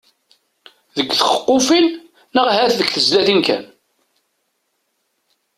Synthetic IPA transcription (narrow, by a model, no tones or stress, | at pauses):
ðəɡʷːθχə̥qːofinː | əʁhæθðəɡθəzlæθinkæ̰n